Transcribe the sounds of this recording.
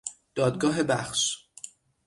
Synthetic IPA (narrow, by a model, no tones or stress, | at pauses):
d̪̥ɒːd̪̚ɡɒːɦe̞bæxʃ